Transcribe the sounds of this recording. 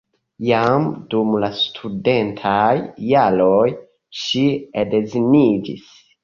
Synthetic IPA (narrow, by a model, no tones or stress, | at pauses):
jamdumlastʰude̞ntʰajːaloj | ʃiede̞zinid͡ʒḭs